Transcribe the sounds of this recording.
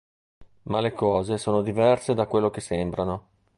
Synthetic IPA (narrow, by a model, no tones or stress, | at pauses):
malekɔːzesoːnod̪ivɛrsed̪akwelːok̟esembɾano